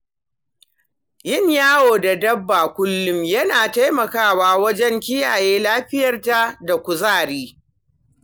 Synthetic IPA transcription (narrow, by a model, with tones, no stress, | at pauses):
jɪ˦˨ɲjaː˦woː˨da˨dɐ˦bːaː˨kʷʊ˦lːʊ˦mjɐ˦naː˨ta˦jmɐ˨kaː˦˨waː˦wɐ˦d͡ʒɛ˦ŋkʲɪ˦jaː˨jeː˦laː˦ɸɪ˦jɐ˨rta˦da˨kʷʊ˨zaː˦˨ɽiː˦